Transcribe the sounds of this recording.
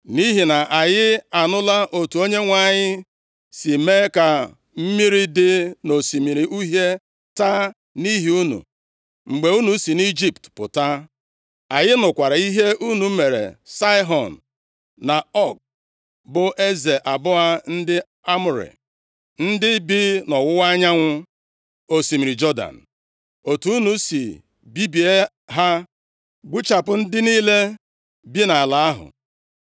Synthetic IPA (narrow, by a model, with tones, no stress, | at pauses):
ni˦ɦi˨na˨ʔa˨jɪ˦a˨nʊ˦la˦ʔo˨tu˨o˦ɲe˦ŋʷa˨ɲɪ˦ | si˨me˦ka˨ | m̩˦mi˦ɾi˦dɪ˦no˨si˨mi˨ɾi˨ʔu˦ɦe˦ | ta˦ | ni˦ɦi˦u˦nṵ˨ | ŋ͡m̩˨ɡ͡be˨˦u˦nu˨si˨ni˦d͡ʒi˦ptpʊ̰˨ta˦ | a˨jɪ˦nʊ˨kʷa˨ɾa˨i˦ɦe˦ʔu˦nu˨˦me˨ɾḛ˨sa˦ɪ˦ɦɔ˨n˨ | na˨ɔ˦˨k̚ | bʊ˦ʔe˦ze˨ʔa˨bʊ˦ɦa˦n̩˦dɪ˦ | a˦mʊ˨ɾḭ˨ | n̩˦dɪ˦bi˦nɔ˨wʊ˦wa˦ɲa˦ŋʷʊ˦ | o˦si˨mi˨ɾi˨d͡ʒɔ˦da̰˨n̩˨ | o˨tu˦u˦nu˦si˨ | bi˦bi˨e˦ | ɦa˦ | ɡ͡bu˦t͡ʃa˨pʊ˨n̩˦dɪ˦niː˦le˦ | bi˦na˨la˨a˦ɦʊ̰˨